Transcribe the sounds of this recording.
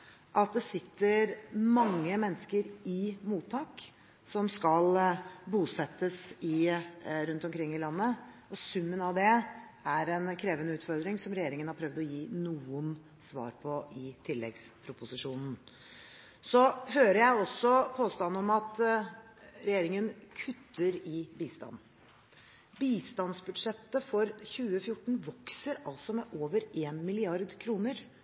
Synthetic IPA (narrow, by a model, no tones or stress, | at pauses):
ʔɑt̪̚d̪ɛsɪt̪ʰːəɾmɑŋːəmɛnːəskəɾɪmuːt̪ʰːɑːk | sɔmskɑlbuːsɛt̪ːəsɪɾʉnt̪ɔmkʰɾɪŋːɪlɑnːə | ɔsʉmːənɑʋd̪ɛ | æɾɛnkʰɾeːʋənəʉːt̪fɔɾd̪ɾɪŋsɔmɾɛjeːɾɪŋənhɑɾpʰɾœʋd̪ɔjiːnuːən | sʋɑ̰ːɾpʰɔʔɪt̪ʰɪlːɛɡspʰɾʊpʊsɪʂuːnn̩ | sɔɦøːɾəjæɪɔsːɔpʰoːst̪ɑnːɔmɑt̪ | ɾɛjeːɾɪŋənkʰʉt̪ʰːəɾɪbiːst̪ɑ̰nː | biːst̪ɑnsbʉd̪ʂɛt̪ːəfɔɾçʉːəfjʊʈːɳ̩ʋɔksəɾɑlsɔmɛʔoːʋəɾeːnmɪlɪɑɾd̪kʰɾuːnəɾ